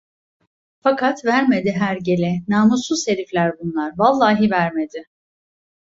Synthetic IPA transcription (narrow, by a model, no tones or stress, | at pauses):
fakʰat̪væɾme̞d̪ɪɦæɾɟe̞lʲɛnaːmusuzse̞ɾiflʲæɾbunlˠaɾvalˠːaːɦivæɾmed̪ɪ